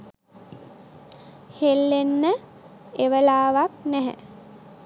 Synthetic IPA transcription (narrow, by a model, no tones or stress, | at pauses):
helːenːə | eʋəlaːʋak̚næɦə̰